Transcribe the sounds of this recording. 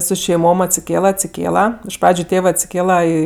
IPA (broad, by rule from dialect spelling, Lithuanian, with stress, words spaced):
sʊ ʃʲɛɪˈmoːm ɐtʲsʲɪˈkʲeːlˠɐ ɐtʲsʲɪˈkʲeːlˠɐ ɪʃ ˈprɑːd͡ʒʲʊ ˈtʲeːʋɜ ɐtʲsʲɪˈkʲeːlˠɐ iː